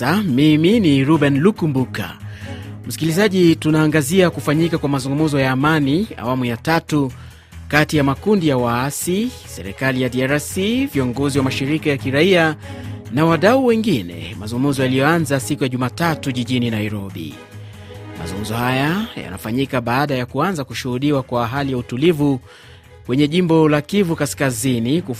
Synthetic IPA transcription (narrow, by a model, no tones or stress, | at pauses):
amiminiɾubɛnlukumbuka̰ | m̩si̥kilizaʄitunaːŋɡaziakufaɲikakwamazuŋɡumuzɔjaːmania̰wamujatatu | katijamakundijawaasi | sɛɾɛkalijadiaɾasiviɔŋɡɔziwamaʃiɾikajakiɾaianawaɗauwɛŋɡinɛ̰mazuŋɡmuzɔjalijɔanzasikujaʄumaːtatuʄiʄininaiɾɔɓḭ | ma̰zuŋɡm̩zɔhajaja̰na̰faɲikaɓaːɗajakuanzakuʃuhuɗiwakwaːɦalijautulivu | kwɛɲɛʄimbɔlakivukaskaziniku